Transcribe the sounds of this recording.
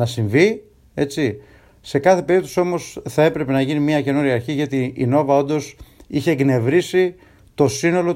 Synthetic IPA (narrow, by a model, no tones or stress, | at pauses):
nɐsiɱvi | e̞t͡si | se̞kɐθe̞pe̞ɾit̪osio̞mo̞sθɐe̞pɾe̞pe̞nɐʝinimiɐce̞nuɾiɐɾçiʝɐt̪iino̞vɐo̞nd̪o̞siçe̞ɡne̞vɾisi | t̪o̞sino̞lo̞